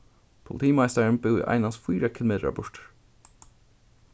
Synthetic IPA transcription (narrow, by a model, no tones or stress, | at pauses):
pʰʊlɪt̪ʰiːmɑɪst̪əɹnbɪʊ̰ʔæ̰ɪnɑsfiːɾəkʰɪlʊmeːt̪ɹə̰bʊɹʈ